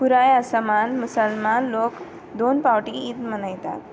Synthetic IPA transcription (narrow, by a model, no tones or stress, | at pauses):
puɾajasəmanmusəlmanlok | d̪onpawʈiit̪mənajt̪a̰